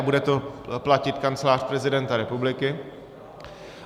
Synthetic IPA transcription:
budɛt̪oplacɪt̪kant͡sɛlaːr̥pɾɛzɪdɛnt̪aɾɛpublɪkɪ

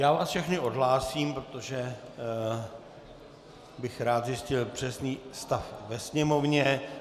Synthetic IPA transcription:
jaːvaːsfʃɛxnɪʔodɦlaːsiːmpɾot̪o̞ʒɛ | bɪxɾaːt̪zɪscɪlpr̝̥ɛsniːst̪afvɛsɲɛmo̞vɲɛ

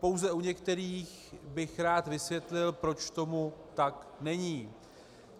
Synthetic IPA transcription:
po̞wzɛuɲɛkt̪ɛɾiːx | bɪxɾaːt̪vɪsvjɛt̪lɪlpɾo̞t͡ʃt̪o̞mut̪aknɛɲiː

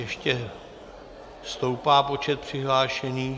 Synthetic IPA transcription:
jɛʃcɛ | st̪o̞wpaːpo̞t͡ʃɛt̪̚pr̝̥ɪɦlaːʃɛniː

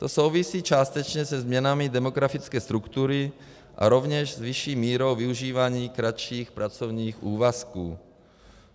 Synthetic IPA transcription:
t̪osowvisiːt͡ʃaːst̪ɛt͡ʃɲɛzɛzmɲɛnamid̪ɛmoɡɾafit͡skɛːst̪ɾukt̪uɾi | ʔa̰ɾovɲɛʃzviʃiːmiːɾowviuʒiːvaɲiːkɾaʃiːxpɾat͡sovɲiːxuːvaskuː

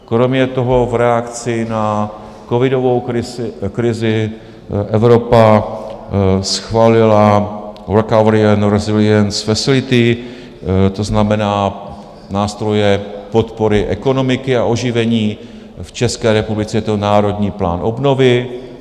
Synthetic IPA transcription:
kɾo̞mɲɛt̪o̞ɦo̞vɾɛakt͡sɪna | kovɪdo̞vo̞wɪkɾɪzɪ | ʔɛvɾo̞pa | sxvaːlɪlaɾɛkavɛɾɪanɾɛzɪlɪɛnsfasɪlɪt̪ɪ | t̪o̞znamɛnaː | naːst̪ɾo̞jɛpo̞t̪po̞ɾɪʔɛ̰ko̞no̞mɪkɪaʔo̞ʒɪvɛɲiː | ft͡ʃɛskɛːɾɛpublɪt͡sɛjɛt̪onaːɾo̞d̪ɲiːpla̰ːnʔobno̞vɪ

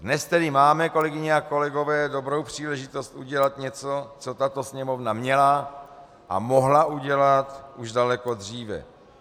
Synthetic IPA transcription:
dnɛst̪ɛdɪmaːmɛko̞lɛɡɪɲɛako̞lɛɡo̞vɛːdobɾo̞wpr̝̥iːlɛʒɪt̪o̞st̪ʔuɟɛlat̪ɲɛt͡sot͡so̞t̪at̪o̞sɲɛmovnamɲɛla | ʔa̰mo̞ɦlauɟɛlat̪ʔuʒdalɛko̞d̪r̝iːvɛ̰

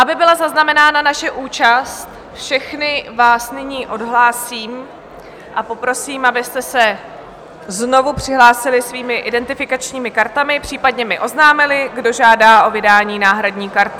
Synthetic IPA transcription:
ʔabɪbɪlazaznamɛnaːnanaʃɛʔuːt͡ʃast̪ | fʃɛxnɪvaːsnɪɲiːʔo̞dɦlaːsiːm | ʔapo̞pɾo̞siːmʔabɪst̪ɛsɛ | zno̞vupr̝̥ɪɦlaːsɪlɪsviːmɪʔɪdɛnt̪ɪfɪkat͡ʃɲiːmɪkaɾt̪amɪpr̝̥iːpadɲɛmɪʔo̞znaːmɪlɪɡdo̞ʒaːdaːʔo̞vɪdaːɲiːnaːɦɾadɲiːkaɾt̪ɪ

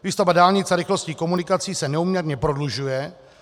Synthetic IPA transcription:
viːst̪ovadaːlɲɪt͡saɾɪxlosciːko̞munɪkat͡siːsɛnɛumɲɛɾɲɛpɾo̞dluʒujɛ

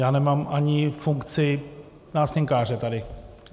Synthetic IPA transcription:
jaːnɛmaːmʔaɲɪfuŋkt͡sɪ | naːsɲɛŋkaːrɛt̪adɪ

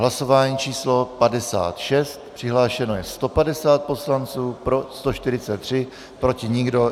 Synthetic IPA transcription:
ɦlaso̞vaːɲiːt͡ʃiːslo̞padɛsa̰ːt̪ʃɛst̪pr̥ɪɦlaːʃɛno̞jɛst̪o̞padɛsaːt̪̚po̞slant͡suːpɾo̞st̪o̞ʃt̪ɪɾɪt͡sɛt̪ːr̝̥ɪ | pɾo̞cɪɲɪɡdo̞

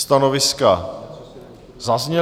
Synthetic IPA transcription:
st̪anovɪska | zazɲɛ

